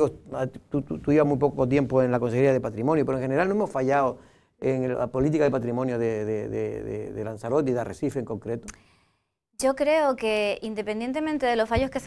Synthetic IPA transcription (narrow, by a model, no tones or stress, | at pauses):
osat̪ut̪ut̪uiβaɦmujpokoot̪̬je̞mpoenlakonseɣeɾiaðepat̪ɾimõnjopeoeŋxene̞ɾalnoemosfaʝao | eŋ̰po̞lit̪̬ikaðepat̪ɾimõnjoðeðeðḛðḛðelansaɾot̪niðarʔḛsifeːŋko̞ŋkɾet̪o | d͡ʒo̞kɾeokeind̪e̞pend̪jent̪e̞mẽnt̪eðelosfaʝoskes